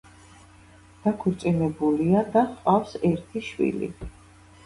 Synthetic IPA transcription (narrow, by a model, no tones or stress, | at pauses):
d̪̥akʰuɾt̪sʼinɛbuliad̪aχqʼafsɛɾt̪ʰiʃwḭlḭ